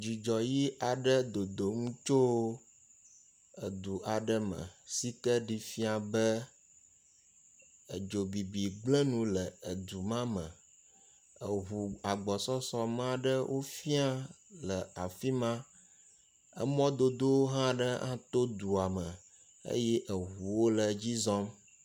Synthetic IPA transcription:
d͡ʒi˨d͡ʒɔ˨ji˦ʔa˨ɖə˦d̪o˨d̪o˨ŋũ˦t͡ʃo˦wo˦ | ə˨d̪u˨ʔa˨ɖə˦mə̰̃˨si˦t̪ə˦ɖi˦fi˦a˨bə˦ | ə˨d͡ʒo˨bi˨bi˨ɡ͡blə˦nũ˦lə˨ə˨d̪u˨mã˦mə̰̃˨ | ə˨ɦu˨a˨ɡ͡bɔ˨sɔ˦sɔ˦mã˦ɖə˦wʔo˦fi˦a˦lə˨a˨fi˦mã˦ | ə̰˦mɔ̃˦d̪o˦d̪o˦wo˦ɦã˦ɖə˦ã̰˦t̪o˦d̪u˨a˨mə˨ | ḛ˦jɛ˦ʔə˨ɦu˨wo˦lə˨d͡ʑi˦zɔ̃˦m

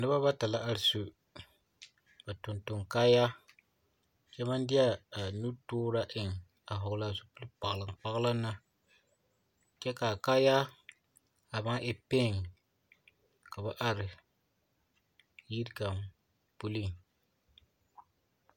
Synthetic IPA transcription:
nɨ˦ba˦ba˦ta˨la˦ʔa˦ɾɪ˨su˨ | ba˨tʊ˨ntʊ˨ŋkaː˦ja˦ | t͡ʃɛ˦ma˦ndɪ˦a˦˨nu˦toː˦ɾa˦ʔɪ˨ŋ | a˨ɦʊ˨ɡla˦˨su˦pu˦lɨ˦pa˨ʔlɨ˨ŋk͡pa˦ɣla˦nːa˦ | kɛ˦kaː˨kaː˦ja˦ | a˨ba˦ʔɛ˦pe˦˨ŋ | ka˨ba˦ʔa˦˨ɾɨ˨ | ji˦ɾka˨m | pu˦li˦ŋ

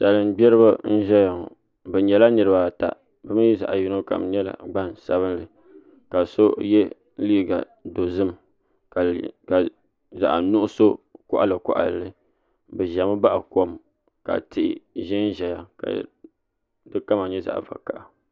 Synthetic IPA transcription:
sa˨lɨ˨m˦bɛ˦ɾɨ˦ba˦n̩˦ʒɛ˦ja˨ | bɛ˨ɲɛ˨la˦nɨ˨ɾɨ˦ba˨ta̰˨ | bɨ˦mɨ˦ji˦za̰˨ʔa˨ji˨˦no˦ka̰˨mɲɛ˦la̰˨ɡ͡ba˦nsa˦bɨ˦nlɨ˨ | ka˨so˦jɛ˦ | liː˦ɡa̰˨ | do˨zɨ˦m | kka˨ | za̰˨ʔa˨nu˦ʔʊ˦so˦kʊ̰˦ʔa̰˨lɨ˨kʊ̰˦ʔa̰˨llɨ˦ | bɨ˨ʒa˨mɨ˦ba˦ʔa˨ko˦m | ka̰˨tɪ˨ʔɪ̰˨ʒɪ˦n˦ʒɛ˨ja˨ka̰˨ | dɨ˦ka˦ma˨ɲɛ˦za̰˨ʔva̰˨ka˨ʔa˨

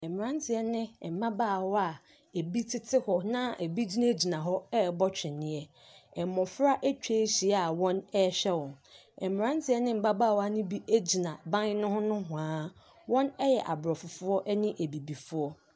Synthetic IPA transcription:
ɛ˨m˨ɾã˦n˦tʰɪ˨ɛ˦nɪ̃˦˨m̩˨bã˦baː˦˨wɔ˦a˨ | e˨bi˦tʰɪ˦tʰɪ˦hɔ˨nã˦e˨bi˦d͡ʑi˦nã˦d͡ʑi˨nã˨ɦɔ˦ɛ˦˨bɔ˦t͡ɕᶣɪ̃˨nɪ̃˦ɛ˦ | ɛ˨mɔ̃˨fɾa˦ʔe˦t͡ɕᶣe˦ɕi˨a˨wɔ̃˦nɛ˦ɕᶣɛ˦wɔ̃˨n | ɛ˨m˨ɾã˦n˦tʰɪ˦ɛ˦nɪ̃˦m̩˨ba˦ba˦˨wa˨nɪ̃˦bi˦ʔe˦d͡ʑi˨nã˨bã˦n˦nʊ̃˦hʊ̃˦nʊ̃˦ɦʊ̃˨ãː˦ | wɔ̃˦nɛ˦jɛ˨ʔa˨bɾɔ˨fʊ˨fʊ˦ɔ˦ʔɛ˦nɪ̃˦ʔe˨bi˨bi˨fʊ˦ɔ˦

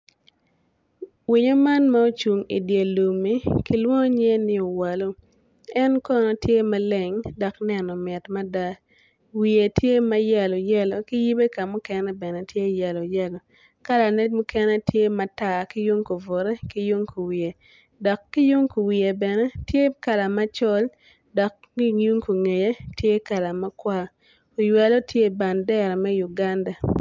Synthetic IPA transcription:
wi˨ɲo˦ma˦nma˦o˦t͡ʃu˨ŋḭ˨dje˨lu˨mi˦ki˦lwɔ˦ŋo˦ɲɛ˦nɪ˦o˨wa˨lo˦ | ɛ˦nkɔ˦nɔ˦tje˦ma˦le˨ŋdɔ˨knɛ˨nɔ˨mɛ˨tma˦da˦ | wi˨e˨tje˦ma˦jɛ˨lo˨jɛ˦lo˨kɪ˦ji˦be˦ka˨mʊ˦kɛ˦nɛ˦bɛ˨nɛ˨tje˦˨jɛ˨lo˨jɛ˦lo˨ | ka˦la˨ne˦dmu˦kɛ˦nɛ˦tje˦ma˦ta˨kɪ˦ju˦ŋko˨vo˨ɾe˦kɪ˦ju˦ŋku˨wi˨e˨ | dɔ˨kːɪ˦ju˦ŋku˨wi˨e˨bɛ˨nɛ˦tje˦ka˨la˨ma˦t͡ʃɔ˦l | dɔ˨kː | i˦ju˦ŋko˨ŋe˨je˦tje˦ka˨la˨ma˦kwa˦ | o˨jwa˦lo˦tʰje˦˨ba˨ndɛ˦ɾa˨mɛ˦ju˨ɡa˦nda˨

